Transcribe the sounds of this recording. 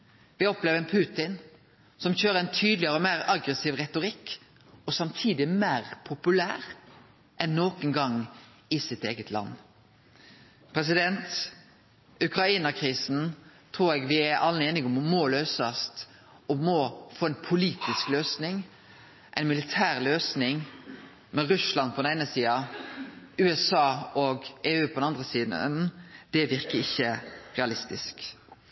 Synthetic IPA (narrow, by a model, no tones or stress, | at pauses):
ʋɪɡɔpleːʋəɛnpʰʉːt̪ɪn | sɔmçøːɾəɾɛɪnt̪ʰyːd̪lɪəɾəɔmæːɾɑɡɾɛsiːʋʁɛt̪ʊɾɪkː | ɔsɑmt̪ʰiːd̪ɪmæːɾpʰʊpʉlæːʁ | ʔɛnːoːkənɡɑŋː | ɪsɪt̪eːɡət̪ʰlɑ̰nː | pʰɾɛs̬ɪd̪ɛnt̪ | ʉkɾɑiːnɑkʰɾiːsn̩t̪ʰʁuːɾɛːɡʋɪæɾʔɑ̰lːəeːnɪɡɔmmɔløːsɑst̪ | ɔmɔfoːɛɪnpʰʊliːt̪ɪskløːsnɪŋ | ʔæɪnmɪlɪt̪ʰæːʁløːsnɪŋ | mɛʁʉslɑnpʰɔd̪ɛnæɪnəsiːɑ | ʉːɛsɑːɔɡʔeːʉːpʰɔd̪ɛnɑnd̪ʁəsiːd̪ə̰nd̪̥ɛʋɪʁkəɪçːəʁɛɑlɪst̪ɪsk